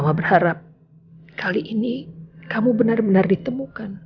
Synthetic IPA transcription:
mabərhaɾap̚ | kʰaliʔinikamubənarbənardit̪əmukan

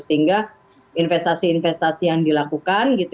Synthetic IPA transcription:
səɦiŋɡa | infɛst̪asiːnfɛst̪asijaŋdilakukanɡit̪

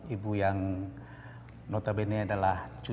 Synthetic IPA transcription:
ibujaŋ | not̪abeneadalaht͡ʃu

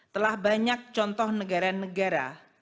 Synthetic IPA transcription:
t̪əlahbaɲak̚t͡ʃɔnt̪ɔhnəɡaɾanəɡaɾa̰

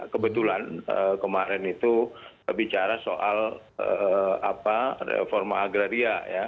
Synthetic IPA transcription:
kəbət̪ulanəkəmaɾɛnit̪ubəbit͡ʃaɾasoʔaləaparḛfɔrma̰ːɡɾaɾiaja

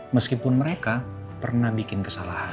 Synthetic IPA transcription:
məskipʊnməɾeka | pərnahbikɪnkəsalaha

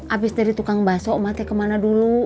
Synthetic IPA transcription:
ʔabisdaɾit̪ukaŋbasɔʔmat̪ɛkəmanadulu

